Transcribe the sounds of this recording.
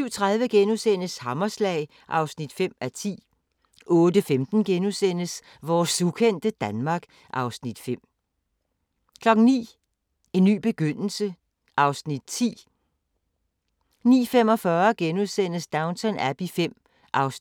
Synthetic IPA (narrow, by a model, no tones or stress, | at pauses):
syʊ̰t͡sʰʁaðˠʋəɡ̥enusen̰əshɑmɐslɛ̰ɪ | ʔɑ̈ʊsnid̥fem̰æt͡sʰḭː | ʔɔ̽ːd̥əfemd̥n̩ɡ̥enusen̰əs | ʋɒːsːukʰen̰d̥əd̥ænmɑ̈ːɡ̥ | ʔɑ̈ʊsnid̥fem̰ | kʰlɒ̽ɡ̥ŋ̩nḭː | e̝nːy̰ːb̥e̝ɡ̥øn̰l̩sə | ʔɑ̈ʊsnid̥̚t͡sʰḭː | nḭːfem̰ɒ̽fɶɐɡ̥enuðˠsen̰əsd̥ɑ̈ʊnt͡sʰɒnæb̥ifem̰ | ʔɑ̈ʊs